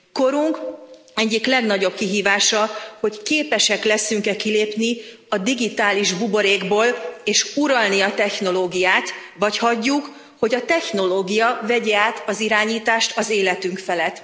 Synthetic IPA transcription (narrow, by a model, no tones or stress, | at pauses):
ko̞ɾuŋk | ɛɟːiklɛɡnɒɟo̞b̚kiɦiːvaːʃɒho̞ckeːpɛʃɛklɛsyŋkɛkileːpni | ɒd̪iɡit̪aːliʒbubo̞ɾeːɡboːleːʃuɾɒlniɒt̪ɛxno̞loːɡijaːt̪vɒchɒɟːuk | ho̞ɟɒt̪ɛxno̞loːɡijɒvɛɟɛaːt̪ɒziɾaːɲiːt̪aːʃt̪ɒzeːlɛt̪yŋkfɛlɛt̪ː